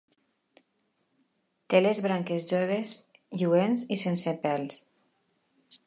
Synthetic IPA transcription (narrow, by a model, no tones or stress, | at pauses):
t̪elezβɾaŋkezʒoβ̞ez | ʎuenzisensepɛls